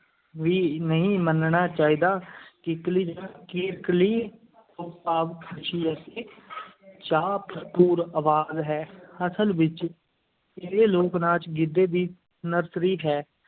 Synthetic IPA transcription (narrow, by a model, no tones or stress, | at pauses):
ʋiːnəɦĩːmənɳaːt͡ʃaːiːd̪aːkɪkliːd͡ʒakɪːɾkliː | ʊpaːʋkʰt͡ʃʰiːəseː | t͡ʃaːpʰʈuːɾəʋaːzɦɛːəsəlʋɪt͡ʃ | ɪɾeːloːknãːt͡ʃɡɪd̪eːd̪iː | nəɾsɾiːɦɛː